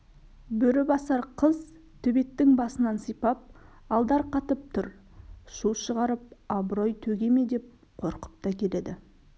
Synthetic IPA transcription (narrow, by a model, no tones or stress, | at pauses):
bʏɾɪbɑsɑɾqʰəz | t̪ʰʏbe̞t̪ːɪŋbɑsənɑnsəjpɑp̚ | ɑlˠd̪ɑɾqʰɑt̪əp̚t̪ʰʊɾʃuʃəʁɑɾəp̚ɑbɾo̞jt̪ʰɵɡʲe̞me̞d̪e̞p̚ | qʰo̞ɾqə̥p̚t̪ɑkʲʰe̞le̞d̪ɪ